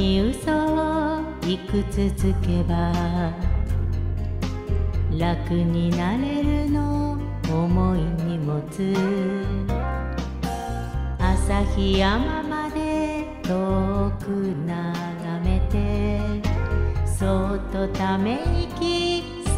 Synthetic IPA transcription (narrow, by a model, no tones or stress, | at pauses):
iɯso | ikɯ̟t͡sɨzɨke̞ba | ɾakɯ̟ɲ̟inaɾe̞ɾɯnoː | moiɲ̟imot͡sɨ | asaçiamamad̪e̞t̪okɯna | ɡame̞t̪e̞ | sot̪ːot̪ame̞ɲikʲi